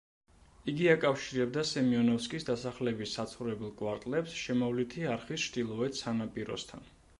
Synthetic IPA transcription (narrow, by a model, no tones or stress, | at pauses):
iɡiakʼafʃiɾɛbd̪asɛmiɔnɔfskʼisd̪asaχlɛbisːat̪sʰχuɾɛbɛlˠkʼwaɾt̪ʼlɛpsʃɛmɔvlit̪ʰiaɾχist͡ʃʰd̪ilˠɔɛt̪sanapʼiɾɔ̰st̪ʰa̰n